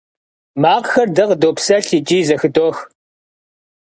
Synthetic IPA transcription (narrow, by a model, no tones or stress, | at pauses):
maːqxɐrdɨʁdoːpsɐɬit͡ʃʼiːzɐxɨdoːx